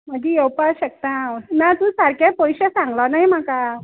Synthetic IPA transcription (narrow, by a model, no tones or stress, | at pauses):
m̤əd͡ʑiewpaɕək̚t̪ãnat̪ũːsaɾkjapɔjɕesãŋɡlɔnaɦjm̤aka